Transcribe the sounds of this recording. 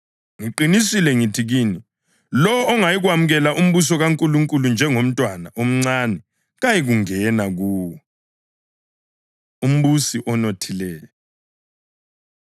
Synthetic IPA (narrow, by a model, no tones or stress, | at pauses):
ŋiǃinisilɛŋitʰiɣiːni | lɔwɔːŋajiɣwamuɣɛlaʔum̩βus̬ɔɣaŋkʼuluŋkʼulund͡ʒʱɛŋom̩tʼwanaʔom̩ŋ͡ǀanɛ | ɣajiɣuŋɛnaɣuːwɔ | um̩βusiʔɔnotʰilɛːjɔ